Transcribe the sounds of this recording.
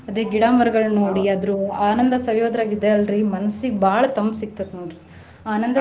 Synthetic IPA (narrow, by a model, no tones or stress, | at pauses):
ɐd̪eːɡiɽaːmɐɾɐɡɐɭnoːɽiɐd̪ɾuaːnɐnd̪ɐsɐʋjoːd̪ɾaːɡid̪eɐlɾimɐnɐsibʱaːɭɐt̪ɐmbsik̚t̪ɐd̪noːɽiɾi | aːnɐnd̪ɐ